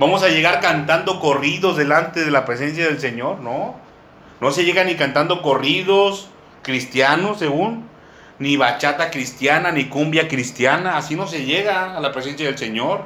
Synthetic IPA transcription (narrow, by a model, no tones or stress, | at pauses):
bamo̞saʝe̞ɣaɾkant̪and̪o̞koriðozðe̞lant̪e̞ð̞e̞lapɾe̞s̬e̞ns̬jað̞e̞ls̬e̞ɲo̞ɾno | no̞se̞ʝe̞ɣanikant̪and̪o̞ko̞riðo̞s | kɾist̪jano̞sːe̞ɣunː | iβat͡ʃat̪akɾist̪jananikumbjakɾist̪janaːsino̞s̬e̞ʝeɣaːlapɾes̬e̞ns̬jað̞else̞ɲo̞ɾ